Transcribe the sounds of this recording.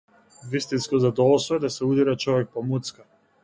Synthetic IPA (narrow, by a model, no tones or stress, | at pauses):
vist̪inskɔzad̪ɔlˠɔsɔɛd̪asɛud̪iɾat͡ʃɔvɛk̚pɔmut̪ska